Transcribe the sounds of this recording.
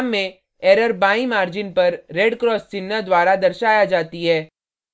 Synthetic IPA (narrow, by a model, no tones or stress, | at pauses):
mːẽ | ɛːɾəɾbaːĩmaːɾd͡ʒɪnpɐɾːeɖkɾɔːst͡ʃɪnːad̪waːɾad̪ɐɾʃaːjad͡ʒaːt̪iɦɛː